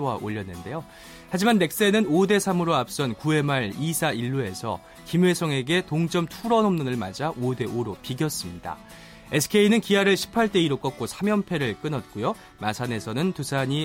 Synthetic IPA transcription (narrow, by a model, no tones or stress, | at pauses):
owa̰ʔoʎːʌnːɯnde̞jo | had͡ʑimanːe̞k̚s͈e̞nɯnode̞sʰamɯɾoap̚s͈ʌnkue̞maɭisʰaiɭːue̞sʰʌ̰ | kimwe̞sʰʌŋe̞ɡe̞toŋt͡ɕʌmtʰuɾʌnʌmnɯnɯɭmad͡ʑaʔode̞oɾopiɡjʌs͈ɯmɲida̰ | e̞sʰɯ̥kʰe̞inɯnkiɦaɾɯɭɕʰi̥pʰaɭt͈e̞iɾok͈ʌk̚k͈osʰamjʌmpʰe̞ɾɯɭk͈ɯnʌt̚k͈ujo | masʰane̞sʰʌnɯntusʰaɲi